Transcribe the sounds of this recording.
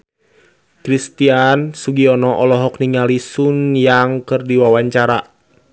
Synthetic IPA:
kɾist̪iansuɡiɔnɔʔɔlɔɦɔkniŋalisunjaŋkɨrdiwawaɲt͡ʃaɾa

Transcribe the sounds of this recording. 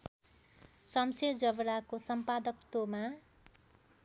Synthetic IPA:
sʌmseɾd͡zʌbɾakosʌmpad̪ʌkt̪oma

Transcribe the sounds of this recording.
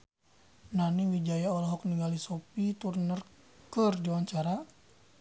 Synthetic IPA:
naniwid͡ʒajaɔlɔɦɔk̚niŋɡalisɔpit̪urnər | kərd͡ʒiwaɲt͡ʃaɾa

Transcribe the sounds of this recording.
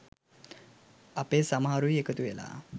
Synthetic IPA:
apesamaɾujekət̪uʋela̰

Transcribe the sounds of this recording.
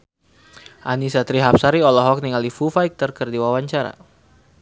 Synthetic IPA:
ʔanisat̪ɾiɦap̚saɾiɔlɔɦɔk̚niŋalifufajk̚t̪ərkərdiwawaɲt͡ʃaɾa̰

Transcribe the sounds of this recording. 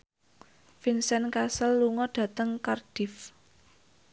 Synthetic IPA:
finsɛnkasəlːuŋɔɖ̥ä̤t̪əŋkard̥ɪ̤f

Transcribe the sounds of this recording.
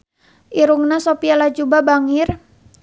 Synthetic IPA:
ʔiɾuŋnasopialad͡ʒubabaŋir

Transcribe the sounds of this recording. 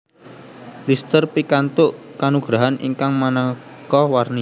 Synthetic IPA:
list̪ərpikant̪ʊʔkanuɡ̥ɾaɦanʔḭŋkaŋmanakɔwarni

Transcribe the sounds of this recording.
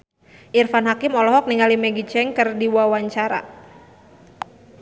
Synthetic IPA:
ʔirfanɦakimɔlɔɦɔk̚niŋalimɛɡit͡ʃɛŋkərdiwawaɲt͡ʃaɾa̰

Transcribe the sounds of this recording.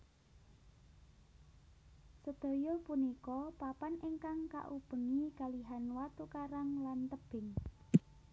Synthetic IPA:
səd̪̥o̤jɔpunikɔpapaneŋkaŋka̰ʔub̥ə̤ŋiɡ̥a̤liɦanwat̪ukaɾaŋlant̪əb̥ɪ̤ŋ

